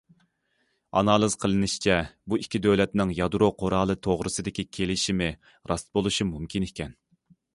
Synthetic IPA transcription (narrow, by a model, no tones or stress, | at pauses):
ɑ̰nɑːlˠɨz̥qʰəlˠɨnɨʃt͡ʃʰɛbuikʲʰːid̪øwlɛt̪nɪŋjɑd̪ɾoqʰoɾɑːlˠɨt̪ʰoʁɾɨsɨd̪ɪkʲikʲʰelɪʃimɪ | ɾʔɑst̪̚bolˠuʃumumkʲʰinekʲʰɛn